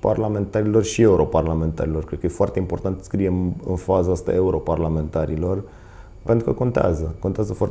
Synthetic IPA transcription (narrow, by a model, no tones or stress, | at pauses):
parlame̞nt̪aɾilo̞rʃie̞uɾo̞parlame̞nt̪a̰ɾilo̞rkɾed̪̚kəje̞foa̰rt̪eimpo̞rt̪ant̪sə̥skɾije̞mɨ̰nfazaast̪a̰euɾo̞parlame̞nt̪aɾilo̞r | ent̪ɾukəko̞nt̪ea̰zəko̞nt̪eazəfoart̪